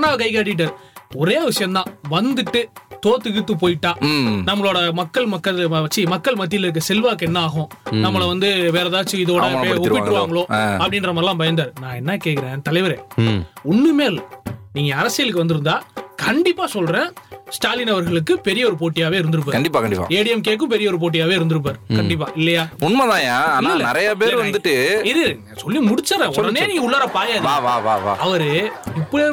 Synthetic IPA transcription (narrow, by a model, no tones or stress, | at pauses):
naːɐkɐɪk̬aːʈ̬ːɪʈːaːɾɔɾeːʋɪʂɐjɐmt̪ãːʋɐnd̪ɯʈːɯt̪oːt̪ɪɣɯt̪ːɯpoːjɪʈːãːnɐmːɐɭoːɽɐmɐkːɐɭmɐkːɐʋɐt͡ʃːimɐkːɐɭmɐt̪̬ːɪlɐɪɾɯkːɐsɛlʋaːkɛnːɐaːɣʊ̃ | nɐmːɐɭɐʋɐnd̪ɯʋeːɾɐðaːt͡ʃːɯɪðoːɽɐeɔɪːɪɾɯʋaːŋɡɐɭoːɐpːɐɽɪnɾɐmɐlːãːpɐjɐnd̪aːɾɯnãːɛnːɐkeːkːɪɾẽːt̪ɐlɐɪʋɐɾẽːɔnːɯmeːlniːŋɡɐːɾɐsɪjɐlɯkːɯʋɐnd̪ɯɾɯnd̪aːkɐɳɖɪpːaːsɔlɾẽːsʈaːlɪnɐʋɐɾɣɐɭɯkːɯpɛɾɪjɐɔɾɯp̬oːʈːɪjaːʋeːɪɾɯnd̪ɯɾɯp̬ːaːkɐɳɖɪpːaːkɐɳɖɪpːa̰eːɽɪjɐmkeːʈk̬ːɯ̃mpɛɾɪjɐɔɾɯp̬oːʈ̬ːɪjaːʋeːɪɾɯnd̪ɯɾɯp̬ːaːɾɯkɐɳɖɪp̬ːa̰ːʔɪlːɐjaːʊnmɐtðãːjãːlːnɪɾɐjapeːɾʋɐnd̪ɯʈːɯɪðɯnː | sɔlːimʊɽɪt͡ʃːɐɾẽːɔɽɐneːniːŋɡɐʊɭːɐːɾɐpaːjaːðːʋaːʋaːʋa̰ːɐʋɐɾɯɪpːɐ